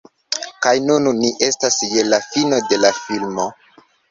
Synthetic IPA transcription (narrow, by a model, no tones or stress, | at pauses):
kajnunniʔe̞stasje̞lafino̞delafilmo̞